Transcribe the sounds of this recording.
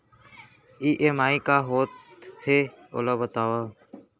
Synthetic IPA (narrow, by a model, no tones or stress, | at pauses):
iːʔeːmaːikaːɦoːt̪̚he | o̰ːlaːbət̪aːʋaː